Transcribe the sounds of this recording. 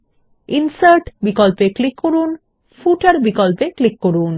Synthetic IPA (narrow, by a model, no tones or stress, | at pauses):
insaɾʈbikɔlpeklikːoɾun | fuʈaɾbikɔlpeklikːoɾun